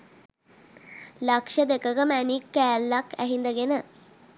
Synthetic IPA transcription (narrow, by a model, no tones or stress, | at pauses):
lakʂəd̪ekəɡəmænikːæːlːakæɦind̪əɡenə